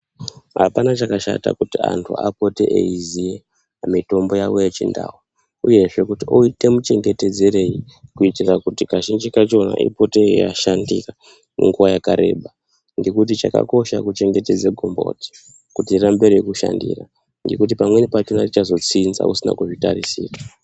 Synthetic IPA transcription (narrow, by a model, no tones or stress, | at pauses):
ɦa̰panat͡ʃakaʃa̰ta̰kutia̰ntʰuapo̞teʔeizie | amito̞mbo̞jawojet͡ʃinda̰ːwu | uje̞ʐe̞kutioite̞mut͡ʃe̞ŋɡe̞te̞d͡ze̞ɾe̞ji | kuitirakutikaʃind͡ʒikat͡ʃo̞na̰ʔḭpo̞teja̰ʃandika | neŋɡuwajakaɾe̞ːɓa | ŋɡe̞kut̬it͡ʃaka̰ko̞ʃakut͡ʃe̞ŋɡe̞te̞d͡zeɡʱombo̞̰ti̥ | kutirambeɾijokuʃa̰ndira̰ | ŋɡe̞kut̬ipamwe̞nipat͡ʃonarit͡ʃazo̞t͡sinza̰usina̰kuʐitaɾisiːka